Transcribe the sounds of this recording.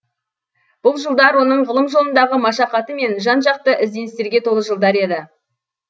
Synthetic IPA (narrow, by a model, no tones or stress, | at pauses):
b̥ʊlˠʒəlˠd̪ɑɾwo̞nəɴʁəlˠəmʒo̞lˠənd̪ɑʁəmɑʃɑqɑt̪əme̞nʒɑnʒɑq̚t̪əʔɪzd̪e̞nɪst̪e̞ɾɡʲe̞t̪ʰo̞lˠəʒəlˠd̪ɑɾe̞d̪ɪ